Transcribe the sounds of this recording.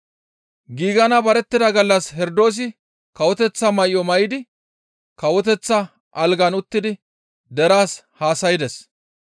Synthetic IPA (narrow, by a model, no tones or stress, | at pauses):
ɡiːɡɐnɐbɐɾɛt̪ːɪd̪ɐɡɐlːɐshɛɾd̪o̞ːs̬ɪ | kɐwɔt̪ɛt͡sːɐmɐjɔmɐjɪd̪ɪ | kɐwɔt̪ɛt͡sːɐ | ʔɐlɡɐnʊt̪ːɪd̪ɪ | d̪ɛɾaːs | haːsɐjɪd̪ɛs